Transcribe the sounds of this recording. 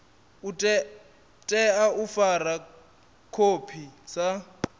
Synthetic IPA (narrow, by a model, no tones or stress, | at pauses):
utʼɛ | tʼɛaufara | kʰopʰisa